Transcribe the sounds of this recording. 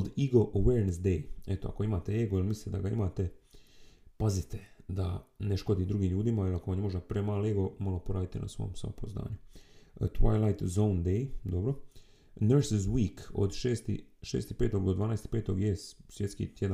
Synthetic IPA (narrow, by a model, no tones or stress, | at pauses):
d̪iɡo̞ʔəweɾnesd̪ejet̪oa̰ko̞imaːt̪eeːɡoilmislt̪ed̪aɡaimaːt̪e̞ | pazit̪ed̪aneʃko̞d̪iːd̪ɾuɡiːmʎuːd̪imailako̞ʋanɲeo̞ʒd̪apɾeːmaːleɡo̞malo̞poɾaːd̪it̪enʔa̰sʋo̞̰ːmsʋo̞̰mpozna̰ːɲut̪ʋa̰jlajt̪zond̪ejd̪obɾo | neɾszwiːko̰d̪ʃeːst̪ḭʃḛːst̪ipe̞ːt̪o̞ɡd̪od̪ʋaːneːst̪i̥pe̞ːt̪o̞ɡjessʋjet̪skḭt̪jed̪a